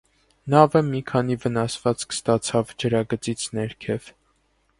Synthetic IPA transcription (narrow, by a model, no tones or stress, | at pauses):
nɑvəmikʰɑnivənɑsvɑt͡skʰst̪ɑt͡sʰɑvd͡ʒəɾɑɡət͡sit͡sʰnɛɾkʰɛv̥